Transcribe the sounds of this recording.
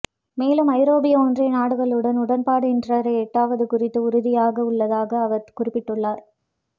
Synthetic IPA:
meːlɯmɐɪɾoːbɪjɐoːndrɪnaːɽɯɣɐɭɯɽɐnʊɽɐnpaːɽɯɪndrɐɾɐɛʈːaːʋɐðɯkʊrɪt̪ːɯʊɾʊðɪjaːɣɐʊɭːɐðaːɣɐːʋɐɾkʊrɪpːɪʈːɯɭːaːɾ

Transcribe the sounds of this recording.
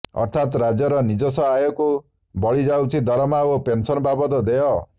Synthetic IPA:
ɔ̰ɾt̪ʰat̪ɾad͡ʒjɔɾɔnid͡ʒɔsɔɦajɔku | bɔɭid͡ʒawt͡ʃʰid̪ʱɔɾɔmaopensɔnɔbabɔd̪ɔd̪eɦɔ

